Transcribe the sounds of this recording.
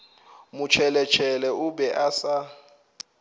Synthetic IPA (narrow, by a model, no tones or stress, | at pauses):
mut͡ʃʰɛlɛt͡ʃʰɛlɛʔuɓɛʔasa